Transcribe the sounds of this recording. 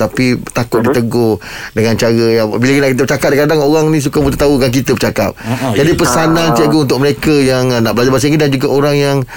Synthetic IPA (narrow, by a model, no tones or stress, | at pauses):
t̪apit̪akʊt̪̚dit̪əɡohdəŋãnt͡ʃaɾəjabilakinaʔkit̪əbət͡ʃakap̚dakadaŋoɾaŋnĩs̬ukamut̪at̪aukank̬it̪əbət͡ʃaka̰p̚d͡ʒadipəsanãnt͡ʃəɡount̪ʊk̚məɾekəjaŋnaʔbəlad͡ʒabas̬iŋidand͡ʒuɡaʔoɾaŋjaŋ